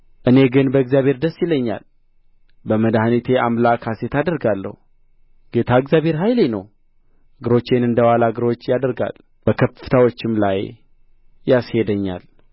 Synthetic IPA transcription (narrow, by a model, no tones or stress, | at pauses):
ʔɨne̞ɡɨnbəɨɡzjaβʱhe̞ɾd̪əsːjɪlːəɲːa̰l | bəməd̪ahnit̪ʰe̞amlakʰaset̪ad̪əɾɡalːə̰hu | ɡ̥e̞t̪ʰaɨɡzjabhe̞ɾɦajlenə̰w | ɡɨɾo̞t͡ʃːe̞nɨnd̪əwalaɡɨɾo̞t͡ʃːjad̪əɾɡa̰l | b̥əkʰəfɨ̥t̪ʰawot͡ʃːɪmlaj | jashe̞d̪əɲːa̰l